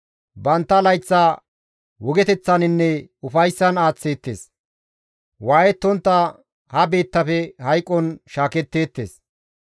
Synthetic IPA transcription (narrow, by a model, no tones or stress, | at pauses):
bɐnt̪ːɐlɐjt͡sːaː | wɔɡɛt̪ɛt͡sːɐnɪnːɛʊfɐjsːɐnaːt͡sːe̞ːt̪ːeːs | waːjɛt̪ːɔnt̪ːɐ | hɐbe̞ːt̪ːɐfɛhɐjkʼːɔnʃaːkɛt̪ːe̞ːt̪ːe̞̰ːs